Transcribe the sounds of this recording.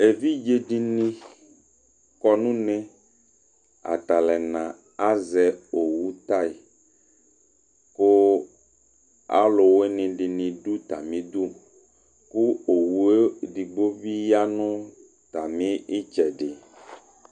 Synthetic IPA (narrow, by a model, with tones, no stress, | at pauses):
e˨vi˦d͡ʒe˨ɖi˨nĩ˦ | kɔ˨nũ˦nẽ˦ | a̰˨t̪a˨lɛ˨nã˨ | a˦zɛ˨o˨wu˦t̪a˦i˨ | ko˦ | a̰˦lo˨we˦nĩ˨ɖi˨nĩ˨ɖu˦t̪a˨mĩ˦d̪u˦ | ku˦o˨wu˦e˦ɖi˨ɡ͡bo˦bi˦ja˦nũ˦ | t̪a˨mĩ˦i˦t͡ʃɛ˨ɖɪ˨